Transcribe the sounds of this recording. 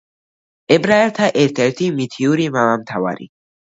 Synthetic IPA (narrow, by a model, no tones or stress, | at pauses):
ɛbɾaɛlt̪ʰaʔɛɾt̪ʰɛɾt̪ʰimit̪ʰiuɾimamamt̪ʰava̰ɾḭ